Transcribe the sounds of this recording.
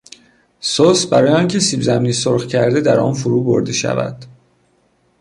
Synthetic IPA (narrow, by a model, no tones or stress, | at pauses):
sosbæɾɒːjeɒːncʰe̞siːbzæmniːsoɾxcʰæɾd̪e̞d̪æɾʔɒ̰ːnfuɾuːbo̰ɾd̪e̞ʃæ̰væ̰d̪̥